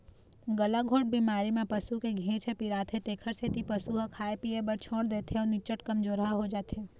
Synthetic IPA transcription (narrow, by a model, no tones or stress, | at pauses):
ɡəlaɡʱoːʈ̚bimaːɾimẽpəsukeɡʱẽːt͡ʃʰepiɾaːt̪ʰet̪eːkʰəɾset̪ipəsuɦakʰaːepiebəɽt͡ʃʰoːɽd̪eːt̪ʰeɔːnɪt͡ʃəʈkəmd͡ʒoːɾɦaaɦod͡ʒaːt̪ʰeː